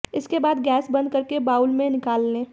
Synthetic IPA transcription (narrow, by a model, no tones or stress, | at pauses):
ɪskebaːd̪ɡɛːsbɐ̃nd̪̚kɐɾkebaːʊlmẽnɪkaːlːẽː